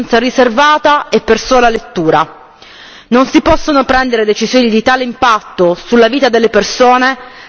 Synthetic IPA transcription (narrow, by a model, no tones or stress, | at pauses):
nt̪sariservaːt̪aepːersoːlalet̪ːuːɾa | nonsipɔsːonopɾɛnd̪eɾed̪et͡ʃizjoːnid̪it̪aːleimpat̪ːosulːaviːt̪ad̪elːepersoːne